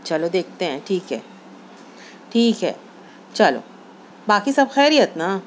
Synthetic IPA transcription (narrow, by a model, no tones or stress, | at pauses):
t͡ʃɐlod̪eːk̚ʰt̪eɦɛ̃ʈʰiːkɦɛː | ʈʰiːkɦɛ̰ː | t͡ʃɐlo̰ː | baːkisɐbxɛːɾiət̪na